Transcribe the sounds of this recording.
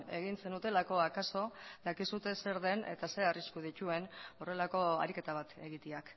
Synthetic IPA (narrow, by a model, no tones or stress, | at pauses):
e̞ɣ̞inse̞nut̪e̞lako̞akaso̞d̪akisut̪e̞se̞ɾðe̞ne̞̰t̪ase̞ariskuð̞it̪ue̞no̞relako̞a̰ɾike̞t̪aβ̞at̪e̞ɣit̪iak